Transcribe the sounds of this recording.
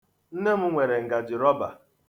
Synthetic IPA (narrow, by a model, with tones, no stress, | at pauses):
n̩˦ne˦m̩˦ŋʷe˨ɾe˨ŋ̩˨ɡa˨d͡ʒɪ˨ɾɔ˦ba̰˨